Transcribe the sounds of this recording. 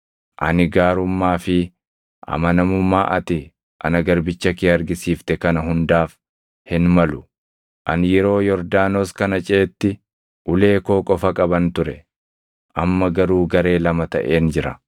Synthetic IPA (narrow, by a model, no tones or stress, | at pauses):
ʔɐnɪɡaːɾʊmːaːfɪ | ʔɐ̰mɐnɐmʊmːaːʔɐt̪ɪ | ʔɐ̰nɐɡɐɾbɪt͡ʃːɐkɪɐɾɡɪsiːft̪ɛkɐnɐɦʊnd̪aːf | hɪnmɐlʊ | ʔɐnjɛɾo̞ːjɔɾd̪aːnoːskɐnɐt͡ʃʼe̞ːt̪ːɪ | ʔʊle̞ːko̞ːkʼɔfɐkʼɐbɐnt̪ʊɾɛ | ʔɐmːɐɡɐɾuːɡɐɾe̞ːlɐmɐt̪ɐ̰ʔe̞ːnd͡ʒɪɾɐ